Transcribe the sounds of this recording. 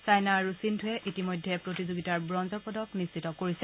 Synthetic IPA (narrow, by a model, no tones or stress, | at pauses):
sajnaːɹusintʰuɛʔitimojdʱɛpɹotizoɡitaɹbɹɔnzɔɹpɔdɔknissitɔkoɹisɛ